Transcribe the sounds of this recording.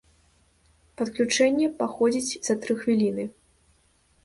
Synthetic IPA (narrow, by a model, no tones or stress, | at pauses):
pɐt̪klʲut͡ʂɛnʲːɛpaxɔd͡zʲit͡sʲz̥ɐt̪ɾɨxvʲilʲinɨ